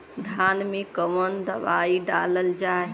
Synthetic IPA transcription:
d̪ʱaːnmẽkəmənd̪əʋaiɖa̰ləld͡ʒaːe

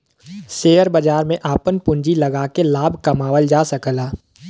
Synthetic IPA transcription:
seːəɾbɐd͡ʒaːɾmẽʔaːpənpʊ̃ɲd͡ʒilɐɡaːkelaːbʱkɐmaːwəld͡ʒaːsɐkəlaː

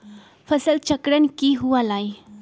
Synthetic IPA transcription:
fʰəsəlt͡ʃəkɽənkiɦuʋalaj

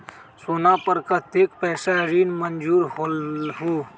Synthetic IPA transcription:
soːnapəɾkat̪eːkpɛːsaɾiːnmənd͡ʒuːɾɦolɦoː

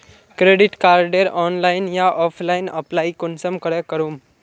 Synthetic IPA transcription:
kɾeɖiʈkaɾɖeɾɔnlainjaʔɔfʰlainəplaikonsəmkəɽekəɾuːm

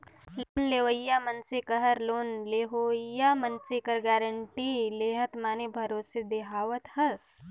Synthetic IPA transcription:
loːnleːʋəjːamɐnsikɐɦɐɾloːnleːɦoːjaːmɐnsikɐɾɡaːɾəɳʈileːɦɐt̪maːnebʱɐɾoːsid̪eɦaːʋət̪hɐs

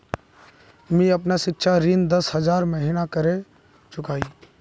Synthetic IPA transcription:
mĩɐp̬naʃɪkʃʰaɾind̪ɐshɐzaːɾməɦɪnakɐɾe | t͡ʃʊkaːiː

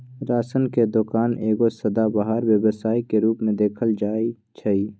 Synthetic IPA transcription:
ɾaːsənked̪ʊkaːneːɡosɐd̪abaɦaɾwjəwəsaːikeɾuːpmẽd̪eːkʰəld͡ʒaːi | t͡ʃʰɐiː

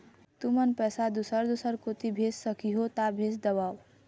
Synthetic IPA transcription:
t̪umənpɛsad̪usəɾd̪usəɾkot̪ibʱessəkiɦot̪abʱesd̪əβaːw

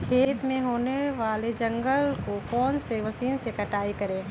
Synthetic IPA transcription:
kʰeːt̪mẽɦoːneʋaːled͡ʒɐ̃ŋɡəlkokɔːnseʋɐsiːnsekɐʈaːikɐɾẽː

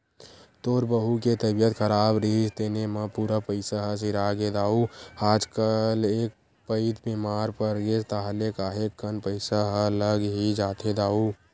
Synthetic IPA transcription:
t̪oːɾbəɦuket̪əbijət̪kʰəɾaːbɾiɦisd̪eːnemãpuɾapəɪsaɦəs̬iɾaːɡed̪aːuaːd͡ʒkəleːk̚ | pəɪd̪bimaːɾpəɾɡet̪aɦlekaːɦekːənpəɪsaɦləɡɦid͡ʒaːt̪ʰed̪aːu

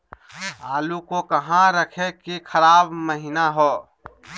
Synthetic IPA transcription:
aːlukokəɦãɾəkʰekikʰəɾaːbməɦɪnaɦoː

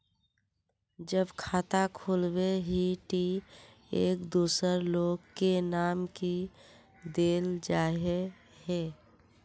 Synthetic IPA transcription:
d͡ʒəbkʰaːt̪akʰoːlbeɦiʈi | eːkd̪uːsəɾloːɡkenaːmki | d̪eːld͡ʒaːɦe | he

